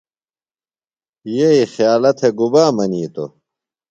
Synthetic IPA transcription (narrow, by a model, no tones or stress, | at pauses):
jeixjaːlɐt̪ʰeɡubaːmɐniːt̪o̰